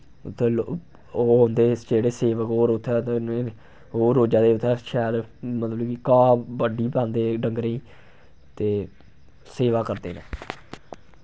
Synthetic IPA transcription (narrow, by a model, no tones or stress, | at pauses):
t̪ʰːeːlː | oːɦõnd̪eːd͡ʒeːɽeːseːʋəkɦoːɾʊt̪ʰːɛne | ɦoːɾoːd͡ʒaːd̪eːʊt̪ʰːɛːʃɛːlmət̪ləbkikaːbəɖiːpãːnd̪eːɖəŋɡɾeiː | t̪eː | seːʋaːkəɾd̪ḛːnḛ̃ː